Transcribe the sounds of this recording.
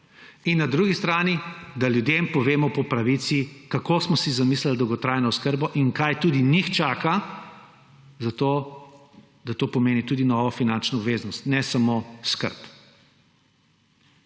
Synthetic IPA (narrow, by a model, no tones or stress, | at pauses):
inːad̪ɾuɡist̪ɾaːnid̪aljud̪jempɔʋeːmɔpɔpɾaʋit̪sikakosmɔsizamislald̪ɔwɡɔt̪ɾaːjnɔʊskəɾbɔʔiŋkajt̪uːd̪inixt͡ʃaːka | zat̪oː | d̪at̪oːpɔmeːnit̪uːd̪inɔːʋɔfinant͡ʃnɔɔbʋeːzanɔst̪nɛsamoskə̰ɾp